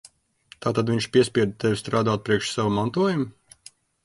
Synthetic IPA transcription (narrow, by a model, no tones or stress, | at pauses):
t̪aːt̪ad̪vʲiɲt͡ʃpʲiɛsʲpʲiɛd̪̚t̪evʲst̪ɾaːd̪aːt̪̚pɾiɛkʃsawumant̪uɔjumu